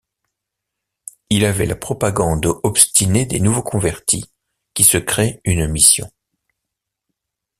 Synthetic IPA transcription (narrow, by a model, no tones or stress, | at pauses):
ilavɛla̰pχɔpaɡɑ̃d̪ɔpst̪ined̪enuvokɔ̃vɛʁt̪ʰi | kʲisəkχeynmisjɔ̰̃